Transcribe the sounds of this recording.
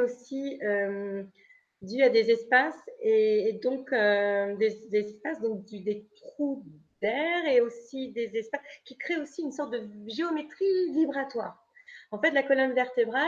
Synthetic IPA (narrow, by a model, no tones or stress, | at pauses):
osiøm | d̪yad̪ezɛspaseːd̪ɔ̃kød̪ed̪ezɛspasd̪ɔ̃k̚d̪yd̪et̪χud̪ɛʁeosid̪ezɛspaskʲikχeosiynsɔʁt̪̚d̪əʒeomet̪χivibʁat̪waːʁ | ɑ̃fɛt̪lakɔlɔmvɛʁt̪ebʁa